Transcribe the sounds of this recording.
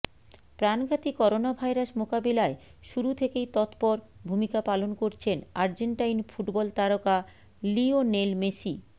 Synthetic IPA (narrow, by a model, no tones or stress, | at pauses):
pɾanɡʱat̪ikɔɾonabʱajɾasmokabilaeʃuɾut̪ʰekejt̪ɔt̪pɔɾbʱumikapalonkoɾt͡ɕʰenaɾd͡ʑeɳʈajnfʰuʈbɔlt̪aɾoka | lionelmeʃi